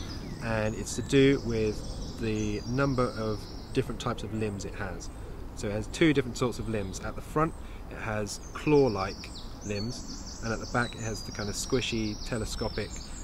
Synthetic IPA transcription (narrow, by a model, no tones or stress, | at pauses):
ʔə̃nɪtstʰədəwɪðənʌ̃mbəɹʔəv | d̥ɪfɹə̃ntʰaɪpsəvlɪ̃mzɪʔhəz̥ | soʊɪt̚həz̥tʰʉːɾɪfɹə̃nsɔˑtsəvlɪ̃mzəʔðəfɹʌ̃nt | ɪ̰ʔhəz̥kʰl̥ɔːlaɪk | lɪ̃mz̥ | ə̃nəʔ̚ðəbakɪt̚həzðəkʰãɪ̃ndəv̥skwɪʃitʰɛləskɒpɪk